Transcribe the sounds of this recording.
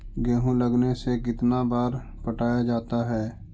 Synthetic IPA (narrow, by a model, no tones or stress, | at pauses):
ɡɛːɦũləɡnesekɪt̪nabaːɾ | pəʈaːjad͡ʒaːt̪aɦɛː